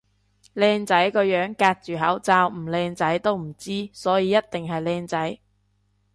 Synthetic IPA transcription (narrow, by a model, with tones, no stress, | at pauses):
lɛː˧ŋt͡sɐ˨˥jkɔː˧jœː˨˥ŋkaː˧t̚t͡ʃyː˨˩ɦɐ˨˥wt͡saː˧wm̩˨˩lɛː˧ŋt͡sɐ˨˥jt̪o˥wm̩˨˩t͡siː˥sɔː˨˥jiː˨˧jɐ˥t̚t̪ɪ˨ŋɦɐ˨jlɛː˧ŋt͡sɐ˨˥j